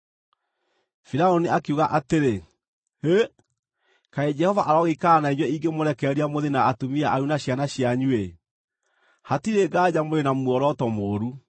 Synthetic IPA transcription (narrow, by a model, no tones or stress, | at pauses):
fiɾaoniakeuɣaʔateɾe | e | kaed͡ʒɛhɔvaʔaɾɔɣekaːnaiɲwɛiɡemoɾɛkɛɾiamoðenaːtomiaʔaɾunaɕjanaɕjaɲue | hatiɾeɡaːd͡ʑamoɾenamwɔɾɔtɔmoːɾu